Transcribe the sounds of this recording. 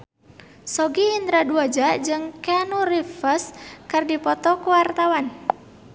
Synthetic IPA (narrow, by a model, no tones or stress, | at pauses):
sɔɡiːnt̪ɾaduad͡ʒaʔd͡ʒɨŋkanurifəskərdipɔt̪ɔkuwart̪awan